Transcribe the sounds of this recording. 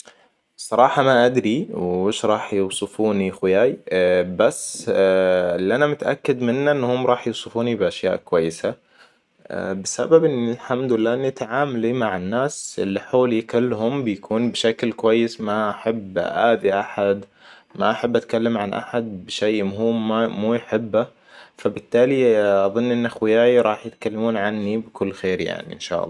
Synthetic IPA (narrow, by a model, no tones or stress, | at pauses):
sˤɑɾˤɑːħɑmaʔad̪ɾiwɪːʃɾˤɑːħjʊwsˤɨfuːnixɪjaːjbasː | lːiʔanamʊt̪aʔa̰kːad̪mɪnːaʔɪnːhʊmːɾˤɑːħjuwsˤɨfuːnibɪʔaʃja̰ːʔkʊwajːɪsa̰ | bɪsa̰babʔɪnːilħamd̪ʊɪlːaːʔɪnːit̪aʕaːmalimaʕanːaːsʔɪ̰lːiħoːlikʊlːhʊmbɪjkʰuːnbɪʃaklkwajːɪsmaʔaħabʔaːd̪iʔaħad̪ | maʔaħabːʔat̪kalːamʕanʔa̰ħad̪̚bɪʃejmʊhuːmːmuːjħɪbːa | fabɪt̪ːaːliʔɑðˤɨnːʔɪnːʔaxwɪjaːjɾˤɑːħjɪt̪kalːamuːnʕanːibɪkʊlːxeːɾja̰ʕnḭʔɪnʃa̰ːʔɑ̰lːɑː